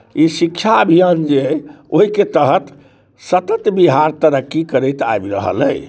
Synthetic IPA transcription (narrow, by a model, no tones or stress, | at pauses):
isikʃʰaəbʱijənd͡ʒe | oɦiket̪əɦət̪ | sət̪ət̪biɦaɾt̪əɾəkːikəɾɛjt̪a̰jbɾə̰ɦə̰lə̰j